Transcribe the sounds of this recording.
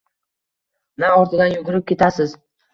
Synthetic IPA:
naɒɾt̪ʰɪd̪anjʊɡʲʊɾɪp̚kʲe̞t̪ʰasɪz

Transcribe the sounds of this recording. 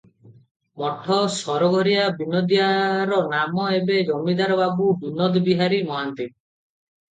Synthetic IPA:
mɔʈʰɔsɔɾɔɡʱɔɾijabinod̪ijaɾɔnamɔebed͡ʒɔmid̪aɾɔbabubinɔd̪biɦaɾimɔɦant̪i

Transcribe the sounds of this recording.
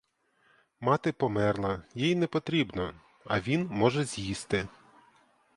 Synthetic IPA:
mɑt̪ɪpɔmɛrlˠɐjijnɛpɔt̪ɾʲibnɔ | ɐʋʲinmɔʒɛzʲjist̪ɪ

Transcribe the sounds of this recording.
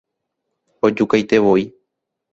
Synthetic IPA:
od͡ʒukajt̪e̞ʋo̞i

